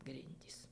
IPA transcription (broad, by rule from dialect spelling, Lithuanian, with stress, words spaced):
ˈɡrʲɪnʲdʲiːs